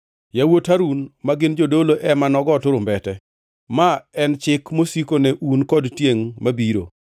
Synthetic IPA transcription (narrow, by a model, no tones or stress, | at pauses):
jawotaɾunmaɡɪnd͡ʒodoloʔɛmanɔɡɔtʊɾʊmbɛtɛ | maɛnt͡ʃɪkmosikonɛʔunkɔdtjeŋmabiɾo̰